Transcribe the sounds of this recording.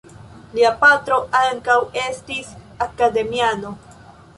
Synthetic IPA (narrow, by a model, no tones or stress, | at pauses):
liapatɾo̞ʔaŋkawe̞stis | akade̞miano̞